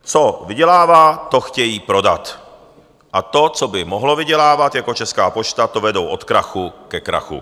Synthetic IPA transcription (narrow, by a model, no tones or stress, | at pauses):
t͡sovɪɟɛlaːvaːt̪oxcɛjiːpɾo̞dat̪ | ʔat̪o̞t͡sobɪmoɦlo̞vɪɟɛlaːvat̪jako̞t͡ʃɛskaːpo̞t͡ʃt̪at̪ovɛdowʔo̞t̪kɾaxukɛkɾa̰xṵ